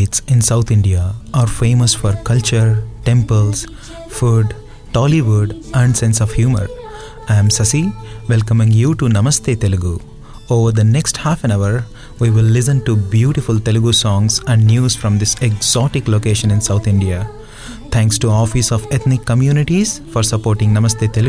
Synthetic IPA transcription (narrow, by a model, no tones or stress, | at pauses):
ʈsɪ̃nsaʊt̪ʰɪ̃ɳɖiaʔaːɾfẽːməsfɔɾkʌlt͡ʃəɾʈẽmpəls | fuɖ | ʈɔːliʋuɖæ̃ɳɖsẽnsɔʋhjuːmə̰ɾ | aə̃msɐsiʋɛlkə̃mɪ̃ŋjuːʈunɐməst̪ʰeːt̪elɪɡu | oːʋəɾd̪əneksʈhaːfɛ̃naʋəɾ | ʋiːʋɪlːɪs̬ə̃nʈubjuːʈɪfult̪elɪɡusɔ̃ːŋsæ̃ɳɖnjuːzfɾɔ̃md̪ɪsekz̥ɔːʈɪkloːkeːʃə̃nɪ̃nsaʊt̪ʰɪ̃ɳɖia | t̪ʰæ̃ŋksʈuɔːfisɔːʋet̪ʰnɪkːəmjuːnɪʈiz̥fɔːɾsɐpoːɾʈɪ̃ŋnɐməst̪ʰeːt̪elɪɡ